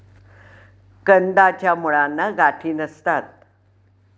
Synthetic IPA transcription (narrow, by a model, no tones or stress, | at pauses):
kənd̪at͡ɕjamuɭanːaɡaʈʰiːnəst̪at̪̚